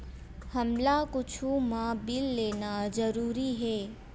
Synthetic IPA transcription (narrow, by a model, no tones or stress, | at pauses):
hɐmlakʊt͡ʃʰũmãbɪlːeːnad͡ʒəɾuːɾiɦɛː